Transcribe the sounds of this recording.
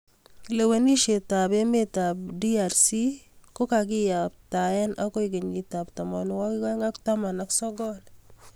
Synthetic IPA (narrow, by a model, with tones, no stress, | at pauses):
le˨we˨ni˦ʃe˨ta˨pe˦me˦tab̚di˦a˨ɾsi˦ko˦ka˨k̬ɪ˦ja˨p̚ta˨ɛ˦nʔa˦ko˦ik̬e˨ɲɡi˨ta˨ptɔ˨mɔ˨n˨wɔ˦ki˦ka˦ŋa˦kta˦ma˨na˦ksɔ˦ɡɔl